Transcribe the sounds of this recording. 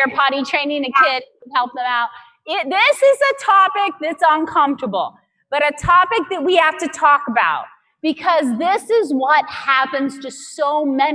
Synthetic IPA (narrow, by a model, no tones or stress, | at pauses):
ə˞pʰɑɾitʰɹ̥ẽɪ̃nɪ̃ŋɨkʰɪdwəd̚hɛlˠp̚ðə̃maʊt̚ | ɪðɪsɪzɨtʰɑpɪk̚ðɨtsə̃nkʰʌ̃ɱftə˞bl̩ˠ | b̥ʌɾɨtʰɑpɨk̚ðɨt̚wihæftɨtʰɔkəbaʊt̚ | b̥ɨkʰʌzðɪsɪzwʌt̚hæpɨ̃nz̥tʰɨsoʊmɛ